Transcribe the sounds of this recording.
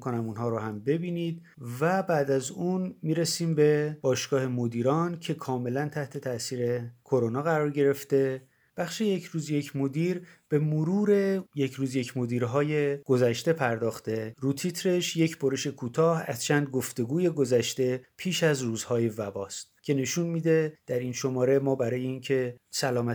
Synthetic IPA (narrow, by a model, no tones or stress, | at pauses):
kʰonæmuːnɦɒːɾoɦæmbe̞biːniːd̪̚ | væbæːd̪æzuːnmiːɾesiːmbe̞b̥ɒːʃɡ̥ɒːhe̞mod̪iːɾɒːncʰe̞kʰɒːme̞lænt̪ʰæht̪ʰe̞t̪ʰæsiːɾe̞kʰo̞ɾonɒːɣæɾɒːɾɟe̞ɾe̞ft̪e̞ | b̥æxʃe̞je̞cʰɾuːzje̞cʰmo̞d̪iːɾb̥e̞moɾuːɾe̞jecʰɾuːzje̞cʰmo̞d̪iːɾɦɒːje̞ɡ̥o̞zæʃt̪e̞pʰæɾd̪ɒːxt̪e̞ɾuːt̪ʰit̪ʰɾe̞ʃje̞cʰboɾeʃe̞kʰuːt̪ʰɒːhæz̥t͡ʃʰænd̪̚ɡoft̪e̞ɡuːje̞ɡo̞zæʃt̪e̞pʰiːʃæzruːzhɒːje̞væbɒːst̪̚cʰe̞ne̞ʃunmiːd̪e̞d̪̥æɾinʃo̞mɒːɾe̞mɒːbæɾɒːje̞iːncʰe̞sælɒːmæ